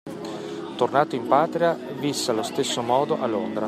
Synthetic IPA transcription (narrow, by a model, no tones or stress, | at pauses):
t̪ornaːt̪oimpaːt̪ɾia | visːealost̪esːomɔːd̪oʔalːond̪ɾa